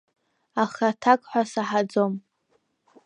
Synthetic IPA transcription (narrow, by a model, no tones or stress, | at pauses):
aχatʰakʼħʷasaħad͡zo̞m